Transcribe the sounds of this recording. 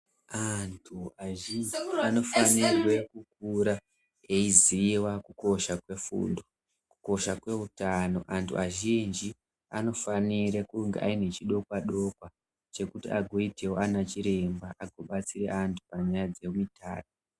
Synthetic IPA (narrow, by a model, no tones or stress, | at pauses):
antʰuaʒind͡ʒiano̞fanirwe̞kuk̚uɾa | eiziwakuko̞ʃakwe̞fṵːndo | kuko̞ʃakwe̞utano̞ʔantʰṵʔaʒind͡ʒi | ano̞faniɾekuŋɡeʔa̰ine̞t͡ʃiɗo̞kwaɗo̞kwa | t͡ʃe̞kutḭaɡʱo̞ite̞wo̞anat͡ʃiɾe̞mbaʔaɡʱo̞ɓat͡siɾe̞̰antʰu̥paɲajad͡ze̞mita̰ːto